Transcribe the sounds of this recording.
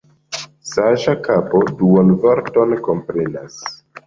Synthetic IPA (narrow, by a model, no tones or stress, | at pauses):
saʒakapoduanvaɾto̞nko̞mpɾenas